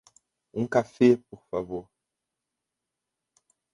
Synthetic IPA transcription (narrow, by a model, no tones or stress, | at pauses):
ũkafɛpoɾfavoɾ